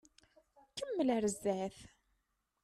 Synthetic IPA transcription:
kəmːəlæɾəzːæθ

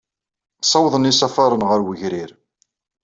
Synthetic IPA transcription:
sˤɑwðˤənisɑfɑɾˤənʁəɾwəʝɾiɾ

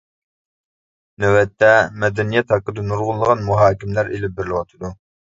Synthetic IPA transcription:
nøwɛt̪ʰːɛmɛd̪ɛnijɛt̪hɑqːəd̪ɛnuɾʁʊlːˠəʁɑnmuɦɑːkʲimlæɾelɪp̚bɪɾlɪwɑt̪ʰɨd̪u

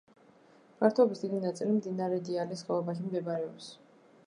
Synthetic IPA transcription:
maɾt̪ʰɔɔbisd̪id̪inat̪sʼilimd̪inaɾɛd̪ialisχɛlˠɔbaʃ̬imɡɛbaɾɛɔps

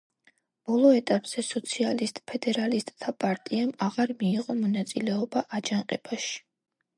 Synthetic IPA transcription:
b̥ɔlˠɔɛt̪ʼapʼz̥ɛsɔt̪sʰialist̪ʼpʰɛd̪ɛɾalist̪ʼt̪ʰapʼaɾt̪ʼiamaʁaɾmiːʁɔmɔnat̪sʼilɛɔbaʔad͡ʒaŋqʼɛb̥aʃi̥

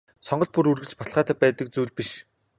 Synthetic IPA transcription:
sɔɴɢɞ̆ɮt̪̚puɾurɣɘ̆t͡ɕpɔt̪ɮχaːt̪æːpæːt̪ə̆k̚t͡suːɮpiʃ

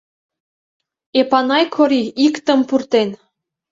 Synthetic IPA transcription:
epɑnɑjkʰoɾiikt̪ə̆mpurt̪en

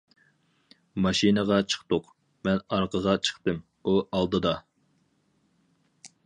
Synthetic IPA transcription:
mɑʃinəʁɑt͡ʃʰə̥χt̪ʊq | mɛnɑɾqʰəʁɑt͡ʃʰə̥χt̪ɨm | uʔɑlˠd̪ɨd̪ɑ

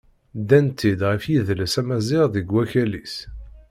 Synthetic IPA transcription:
d̪ænt̪id̪ʁəfjiðləsæmæzɪʁðiɡwæçælis

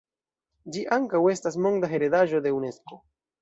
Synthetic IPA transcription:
d͡ʒiʔaŋkawe̞stas̬mo̞ŋdaɦe̞ɾe̞daʒo̞de̞une̞sko̞

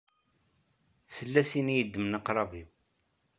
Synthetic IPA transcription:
θəlːæsinijəd̪ːmənəqɾˤɑvi

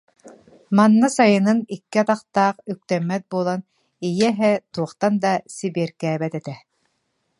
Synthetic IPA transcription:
manːasajɯnɯnikːiat̪aqt̪aːqyk̚t̪ɛmːɛt̪̚buɔlˠan | ijɛɦɛt̪uɔχt̪and̪asibiɛɾkɛːbɛt̪ɛt̪ɛ

